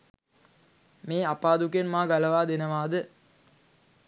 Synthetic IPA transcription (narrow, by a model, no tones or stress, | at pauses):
meːapaːd̪ukenmaːɡaləʋaːd̪enəʋaːd̪ə